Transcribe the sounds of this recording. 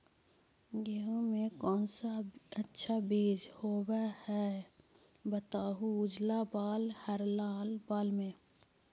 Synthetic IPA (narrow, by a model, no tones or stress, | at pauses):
ɡeɦõmẽkɔːnsaətːʃʰabeːd͡ʒhoːbahɛː | bət̪aːɦuʊd͡ʒlabaːlhəɾlaːlbaːlmẽ